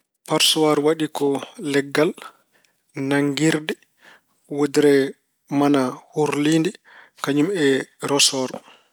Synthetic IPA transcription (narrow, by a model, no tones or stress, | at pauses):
paɾsɔwaɾwaɗikɔlɛɡːal | naŋɡiɾdɛ | wodiɾɛ | manahuɾlindi | kaɲumɛɾɔsɔɾ